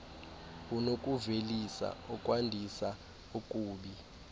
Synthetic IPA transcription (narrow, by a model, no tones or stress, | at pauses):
unokʼuvelisa̰ɔkʼwandʱisa | ukʼuːɓi